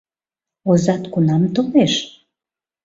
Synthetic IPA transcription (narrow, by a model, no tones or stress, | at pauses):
ozɑt̪kunɑmt̪oleʃ